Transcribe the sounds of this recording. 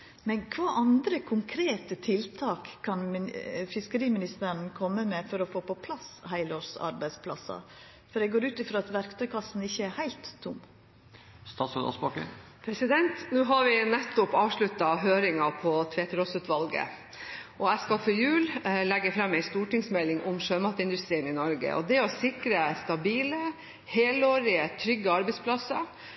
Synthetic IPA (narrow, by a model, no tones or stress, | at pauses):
mɛnkʰʋɑːʔɑnd̪ɾəkʰʊŋkʰɾeːt̪ət̪ʰɪlt̪ʰɑːkʰːɑnfɪskəɾiːmɪnɪst̪əɾəɳkʰɔmːəmɛfɔɾɔfoːpɔpʰlɑshæɪloːɾsɑ̰ɾbæɪspʰlɑ̰sɑ̰ | fɔɖ̪ɛɡoːɾʉːt̪ɪfɾɑːɑt̪ʋæɾkt̪ʰœʏkʰɑsn̩ɪçːəæɾhæɪlt̪ʰːʊmː | st̪ɑːt̪sœt̪ɔ̰sbɑkə̰ | pʰɾɛsɪd̪ɛnt̪nuːɦɑɾʋɪnɛt̪ːʊpɑːʋʂɭʉt̪ːɑɦøːɾɪŋɑpʰɔt̪ʰʋeːt̪əɾɔsʉt̪ʋɑlɡə̰ | ʔɔæskɑfɔɾjʉːllɛɡːəfɾɑmːæɪst̪uːʈɪŋsmɛlːɪŋʔʊmʂøːmɑt̪əɪnd̪ʉst̪ɾiːənɪnɔɾɡə̰ʔɔ̰d̪ɛɔsɪkɾəst̪ɑbiːlə | heːloːɾɪət̪ʰɾʏɡːəɑɾbæɪspʰlɑsːɑ